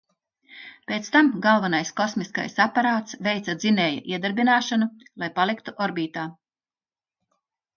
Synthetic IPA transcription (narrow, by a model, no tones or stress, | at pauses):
pʲet̪st̪amɡalˠvanajskɔsmiska̰jsapaɾaːt̪svɛjt̪sad̪zinɛːja̰ʔiɛd̪aɾbinaːʃanu | lˠajpalˠikt̪uʔɔɾbiːt̪aː